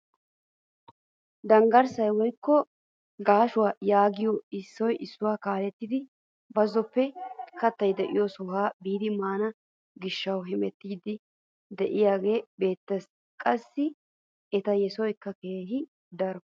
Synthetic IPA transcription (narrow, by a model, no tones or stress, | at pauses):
d̪ɐŋɡɐɾsɐjwɔjkːɔ | ɡaːʃʊwaːjaːɡɪjɔɪsːɔjʔɪsːʊwaːkaːlɛt̪ːɪd̪ɪ | bɐzɔpːɛkɐt̪ːɐjd̪ɛʔɪjɔsɔhaːbiːd̪ɪmaːnɐ | ɡɪʃːɐwɦɪmɛt̪ːiːd̪ɪ | d̪ɛʔɪjaːɡe̞ːbe̞ːt̪ːɐs | kʼɐsːɪ | ɛt̪ɐjɛsɔjkːɐke̞ːɦɪ | d̪ɐɾ